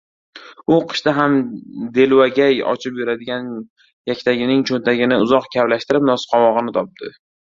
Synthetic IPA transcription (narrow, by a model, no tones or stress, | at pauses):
ʊqʰɨ̥ʃt̪aɦamd̪e̞lwaɡʲajɒ̰t͡ʃʰɪpjuɾad̪ɪɡʲan | jakʲt̪ʰaɡʲɪnɪŋt͡ʃʰont̪ʰaɡʲɪnɪʊzɒqkʲʰavlaʃt̪ɪɾɪp̚nɒsqʰɒmɒʁɨnɪt̪ʰɒp̚t̪ʰɪ